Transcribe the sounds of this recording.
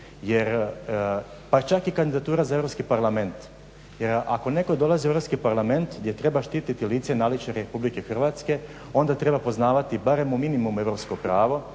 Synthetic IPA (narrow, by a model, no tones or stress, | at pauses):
je̞ɾ | pat͡ʃakikand̪id̪at̪uːɾazae̞vɾopskipaɾlˠame̞nt̪ | je̞ɾa̰ko̞ne̞ko̞d̪o̞lˠazieɾo̞pskipaɾlˠame̞nt̪ɡd̪je̞t̪ɾe̞baʃt̪iːt̪it̪iliːt̪senalit͡ʃeɾepublike̞xr̩ʋat̪ske̞ | o̞nd̪at̪ɾe̞bapo̞znaːʋat̪ibaɾe̞muminimume̞ʋɾopskopɾaːʋo